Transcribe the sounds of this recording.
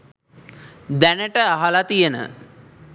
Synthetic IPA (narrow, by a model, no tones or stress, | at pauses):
d̪ænəʈəaɦalat̪ijənə̰